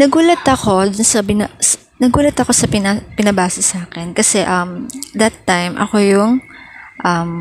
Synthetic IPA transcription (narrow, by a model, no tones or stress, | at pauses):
nɐɡuːlɐt̪ɐko̞d̪ʊnsɐbɪnɐs | nɐɡuːlɐt̪ɐko̞sɐpɪnapɪnɐbaːsɛsaːkɛnkɐsɛʔɐmd̪ɐt̪ːajmʔɐ̰ko̞jʊŋʔɐm